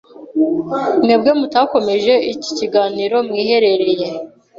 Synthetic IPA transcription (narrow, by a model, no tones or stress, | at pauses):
mŋeːbɡe̞mutaːko̞me̞ʒe̞ici̥ciɡaːniɾo̞mŋiːhe̞ɾe̞ɾe̞je̞